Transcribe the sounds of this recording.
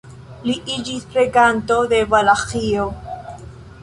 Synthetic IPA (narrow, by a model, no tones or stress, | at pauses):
liʔid͡ʒispɾeɡant̪od̪evalaχio